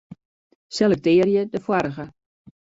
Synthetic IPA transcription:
sɛlɛk̚tɪːərjədəfwaɾəɣə

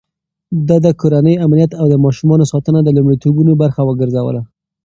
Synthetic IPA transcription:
d̪ɑd̪əkoɾanəjamnijat̪awd̪əmɑʃumɑnosɑt̪ənad̪əlumɽit̪obunobaɾxawəɡəɾzawə̰la

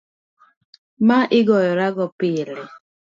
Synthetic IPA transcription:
maʔɪɡɔjɔɾaɡɔpɪlɔ

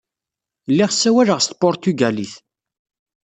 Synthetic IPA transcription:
lːiʁsːæwæləʁst̪̚pʊɾt̪yɡæliθ

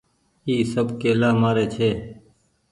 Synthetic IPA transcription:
iːsəbkeːlaːmaːɾeːt͡ʃʰeː

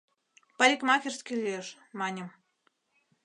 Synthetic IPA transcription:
pɑlʲikmɑkʲerskʲelʲieʃ | mɑnʲə̆m

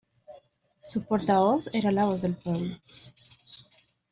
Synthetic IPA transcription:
supoɾt̪aβozeɾalaβozðelpwɛβlo

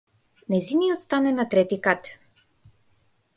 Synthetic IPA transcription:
nɛjziniɔt̪st̪anɛnat̪ɾɛt̪ikat̪

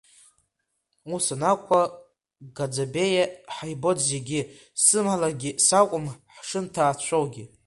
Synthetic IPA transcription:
usanakʷʰa | ɡad͡zabejaħajbo̞dzeɡʲɪ | sɨmalaɡʲisakʷʼʊmħʂɨntʰaːt͡ɕʷʰowɡʲiɪ

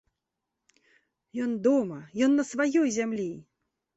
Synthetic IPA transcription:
jɔnd̪ɔmɐjɔnːɐsvajɔjzʲamlʲi

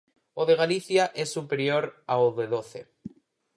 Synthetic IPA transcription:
oðe̞ɣ̞aliθjaʔesːupe̞ɾjoɾaoðeðoθe

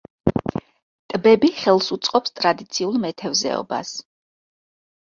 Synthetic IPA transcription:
t̪ʼbɛbiχɛlˠsut̪sʼqʼɔpst̪ʼɾad̪it̪sʰiulˠmɛt̪ʰɛvzɛ̰ɔ̰ba̰s

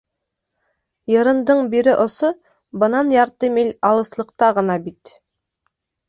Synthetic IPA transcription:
jɤ̆ɾɤ̆nd̪ɤɴbiɾɪʔŏso | bɤ̆nɑnjɑɾt̪ɤmelʲɑlˠɤ̆slˠɤ̆q̚t̪ɑʁɤ̆nɑbit̪

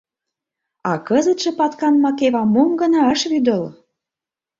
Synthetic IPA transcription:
ɑkəzə̆t̪ʃĕpɑt̪kɑnmɑkeβɑmomɡə̆nɑə̆ʃβyd̪ə̆l

